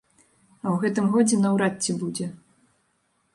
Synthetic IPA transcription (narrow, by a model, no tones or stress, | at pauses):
ɐwɣɛt̪ɨmɣɔd͡zʲɛnɐwɾatʲːibud͡zʲɛ